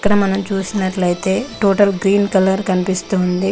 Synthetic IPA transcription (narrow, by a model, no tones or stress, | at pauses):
kːɐɽɐmɐnɐmt͡ʃuːsinɐʈlɐjit̪e̞ːʈoːʈɐlɡɾiːnkɐlɐɾkɐnipist̪uːnd̪i